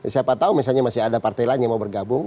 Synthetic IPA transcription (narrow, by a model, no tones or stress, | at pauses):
siapat̪aumisalɲamasɪadapart̪elaɲamaubərɡabʊŋ